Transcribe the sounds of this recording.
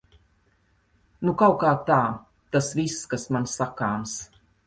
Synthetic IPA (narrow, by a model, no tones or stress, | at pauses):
nukawkaːt̪aː | t̪asvisːkasmansakaːms